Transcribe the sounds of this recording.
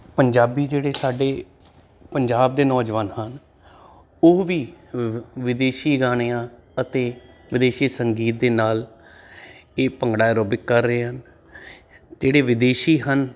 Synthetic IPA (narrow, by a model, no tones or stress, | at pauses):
pəɲd͡ʒaːbiːd͡ʒeːɽeːsaːɖeː | pəɲd͡ʒaːb̚d̪eːnɔːd͡ʒʋaːnhən | oːʋiː | ʋɪd̪eːʃiːɡaːɽ̃eãː | ət̪eːʋɪd̪eːʃiːsəŋɡiːt̪̚d̪eːnaːl | eːpəŋɡɽaːjɾoːbɪkːəɾːəeːɦən | d͡ʒeːɽeːʋɪd̪eːʃiːɦən